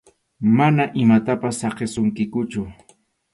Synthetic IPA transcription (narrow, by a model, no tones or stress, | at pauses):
manaʔɪmat̪apasːɑqesʊŋkɪkʊt͡ʃʊ